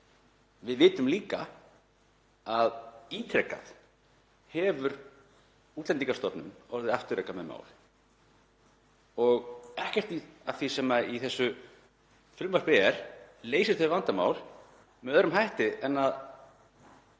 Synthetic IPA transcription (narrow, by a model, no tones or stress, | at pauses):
vɪðvɪːt̪ʏmliːka | aðiːt̪ʰɾɛkːa̰θ | hɛvʏɾ | uːt̪lɛnt̪iŋkast̪ɔpnʏ̰mɔɾðɪaft̪ʏɾɛːkamɛðma̰ːwl | ɔɣɛhcɛr̥t̪iaθisɛmːaiθɛsːʏ | fʏlmvarpɛɛɾ̥leːjsɪɾ̥θɛsʏvant̪ama̰ːwl | mɛœðɾʏmhajht̪ɪɛnːað